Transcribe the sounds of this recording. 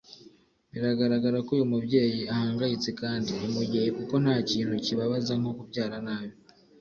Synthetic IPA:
βiɾaɡaɾaɡaɾakujomubɟe̞ːjiahaːŋɡajit͡se̞kaːndiomubɟe̞ːjikuko̞n̥haːciːntuciβaβazaŋ̥o̞kubɟaːɾanaːβjo

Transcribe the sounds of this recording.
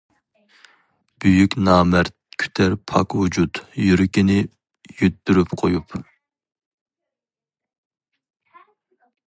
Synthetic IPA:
b̥yjykʲnɑːmæɾt̪ | kʲʰy̥t̪ʰæɾpʰɑkwud͡ʒut̪jyɾykʲinɪ | jøt̪̚byɾypqʰojup

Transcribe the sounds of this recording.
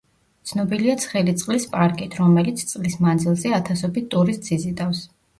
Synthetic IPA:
t̪sʰnɔbiliat̪sʰχɛlit̪sʼqʼlispʼaɾkʼit̪ʰɾɔmɛlit̪sʰt̪sʼqʼlismand̪zilˠzɛat̪ʰasɔbit̪t̪ʼuɾist̪ʼsʰizid̪ʼafs

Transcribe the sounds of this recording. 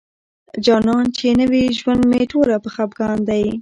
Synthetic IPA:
d͡ʒɑnɑnt͡ʃenəwiʒwand̪meʈolapəxap̚ɡɑnd̪aj

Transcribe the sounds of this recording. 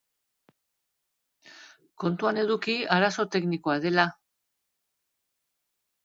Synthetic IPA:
ko̞nt̪uane̞ðukiaɾaso̞t̪e̞kniko̞aðe̞la

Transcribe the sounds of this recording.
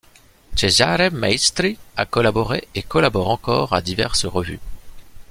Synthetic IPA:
t͡ʃezaɾɛmmːaist̪ɾia̰kɔlabɔʁeekɔlabɔʁɑ̃kɔʁad̪ivɛ̰ʁsəʁəvy̰

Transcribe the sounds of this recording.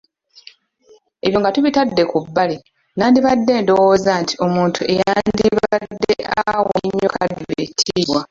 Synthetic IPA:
e̞βjo̞ŋɡatuβitadːe̞kubːali | naːndiβadːe̞ːndo̞woːzantʰi̥o̞muːntʰuʔe̞jaaːndiβadːeʔaawoɲːokaadiβetʰiːβwa

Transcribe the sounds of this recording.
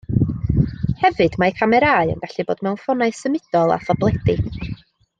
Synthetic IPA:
hɛvɨd̥makʰamɛɾaːɨə̰nɡaɬibo̰ːd̥mɛwnfɔnaɨsəmɪd̥ɔlˠa̰θɔblˠɛdɪ̥

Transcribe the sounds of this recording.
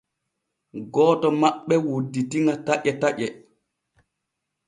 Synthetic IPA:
ɡɔːtɔmaɓːɛwodːitiŋataʔɛtaʔɛ

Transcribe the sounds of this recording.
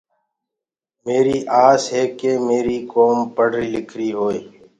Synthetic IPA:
meːɾiːʔaːzɦɛːkemeːɾiːkoːmpəɽ̤ʱɾiːlɪkʰɾiːɦoːeː

